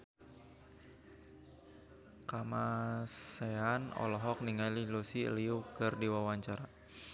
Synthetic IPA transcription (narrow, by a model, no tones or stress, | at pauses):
kamaseanɔ̰lɔɦɔk̚niŋalilusiə̰liukərdiwawaɲt͡ʃaɾa